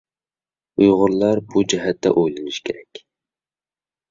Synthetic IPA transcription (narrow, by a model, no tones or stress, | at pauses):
ujʁʊɾlˠɑɾbud͡ʒɛɦɛt̪ːɛ̰ʔojlˠɨnɨʃkʲʰeɾɛkʲ